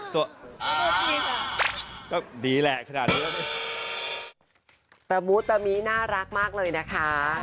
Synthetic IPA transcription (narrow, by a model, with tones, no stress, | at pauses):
t̪u˨˩˧tiː˧ka˧˩kɔː˥˩diː˨˦lɛ˨˩ʔkʰa˧naː˨˩t̪̚niː˦la˥˩a˦˩ | t̪a˧˩mu˦˥t̪ːa˧miː˦˥naː˥˩ɾa˦˥k̚maː˥˩k̚lɤː˧jna˦˥kʰa˦˥